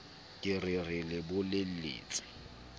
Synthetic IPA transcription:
kʼɪrɪrɪlɪbʊlel̩lḭːt͡sʼɪ̥

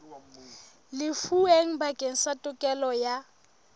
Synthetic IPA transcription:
lɪfueŋ̩bakʼeŋ̩satʼʊkʼɛlɔja

